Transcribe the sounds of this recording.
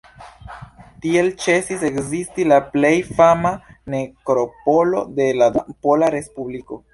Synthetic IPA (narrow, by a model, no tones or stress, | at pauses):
tie̞lt͡ʃe̞sise̞kzistilaple̞jfamane̞kɾo̞po̞lo̞̰de̞ladapo̞laɾe̞spubliko̞